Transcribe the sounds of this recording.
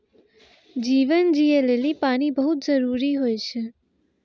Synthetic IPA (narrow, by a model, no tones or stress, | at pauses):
d͡ʒiʋənd͡ʒielelipaɽ̃ibəɦut̪̚d͡ʒəɾuɾiɦojt͡ʃʰe